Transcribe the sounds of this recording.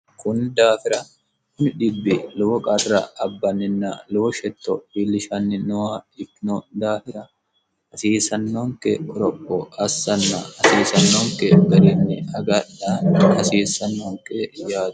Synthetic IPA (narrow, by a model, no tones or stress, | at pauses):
kʊnd̪aːfɪɾɐ | kʊnɪᶑɪbːɪlʊwɔkʼɐt̪ɾɐ̰ɐbːɐnːɪnːɐ̰lʊwɔʃɛt̪ːɔbilːɪʃɐnːɪnʊwaɪknod̪aːfɪɾɐ | hɐsiːsɐnːɔŋkɛɔɾɔpːɔɐsːɐnːɐ̰hɐsiːsɐnːoŋkɛɡɐɾinːɪɐɡɐᶑahɐsiːsɐnːɔŋkɛjaːd̪